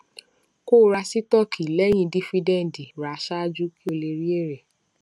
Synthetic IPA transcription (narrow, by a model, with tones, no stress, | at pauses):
ko˦˨˦ɾa˧si˦tɔ˦˨kʰi˨lɛ˦j̃ĩ˧di˦fi˧dɛ̃˦˨n̩˨di˨ɾa˨˧˦ʃa˦˧˦d͡ʒu˦ki˦o˧le˧ɾi˦e˦˨ɾɛ˨